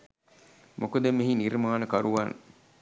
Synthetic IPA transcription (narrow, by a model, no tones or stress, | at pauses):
mʔokod̪emːeɦinirmaːnəkɐɾuʋaːnʔə̰